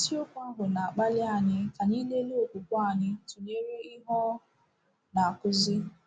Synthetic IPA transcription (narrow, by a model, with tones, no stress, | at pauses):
si˦o˦kʷa˦ɦʊ˨na˨a˨k͡pa˦lɪ˦a˨ɲɪ˦ka˨ni˦le˦lo˦o˨k͡pu˨kʷɔ˦a˦˨ɲɪ˦tu˨ɲe˦ɾe˦ɪ˦ɦɔ˦ | na˨a˨kʊ˦zɪ˦